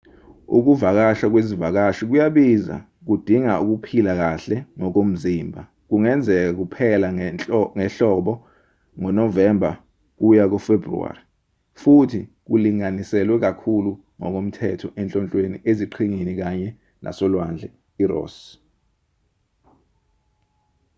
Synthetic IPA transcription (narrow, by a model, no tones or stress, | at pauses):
ṵk̬uvak̬aʃak̬wezivak̬aʃik̬ujaɓiza̰ | k̬ud̥ʱiŋauk̬upʰilak̬aɬɛŋɔk̬om̩ziːmbʱa | k̬uŋɛnd͡zʱɛk̬ak̬upʰɛlaŋɛɬɔːɓɔ | ŋɔnɔvɛmbʱa | k̬ujak̬ɔfebrṵa̰ːri | futʰik̬uliŋanisɛlwɛk̬akʰulu | ŋɔk̬om̩tʰɛtʰɔʔɛnt͡ɬʼɔnt͡ɬʼweniʔeziǃʰiŋinik̬aɲɛ | nʔa̰sɔlwand͡ɮʱɛ | irɔ̰ːs